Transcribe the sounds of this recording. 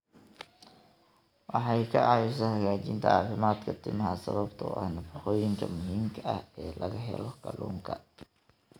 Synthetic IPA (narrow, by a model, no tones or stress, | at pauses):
wɑħɑjkʰɐʔɑjʊs̬ɐhɐɣaːt͡ʃɪnt̪ʰɐ̰aːfɪmaːd̪kʰɐt̪ʰɪmɐɦɐsɐ̰βɐbt̪ʰʊʔɐ̰hnɐfɑħɔːjɪŋkʰɐ̰mʊɦiːmkʰɐʔɐhɛːlɐɣɐɦɛ̰lɔkɐlṵːŋkʰɐ